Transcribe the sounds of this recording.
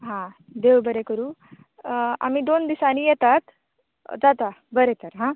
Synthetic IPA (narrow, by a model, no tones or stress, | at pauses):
ɦã | d̪ewbəɾekəɾuː | a̰miːd̪ond̪isaniːjɛt̪at̪ | d͡zat̪abəɾet̪əɾɦã